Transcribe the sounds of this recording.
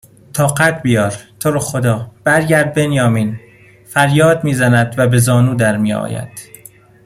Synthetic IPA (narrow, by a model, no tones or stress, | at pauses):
t̪ʰɒːqæt̪bijɒːɾt̪ʰoɾoxod̪ɒːb̥æɾɟæɾd̪̚be̞njɒːmiːn | fæɾjɒːd̪̚miːzænæd̪væbe̞zɒːnuːd̪æɾmiːɒ̰ːjæ̰d̪̥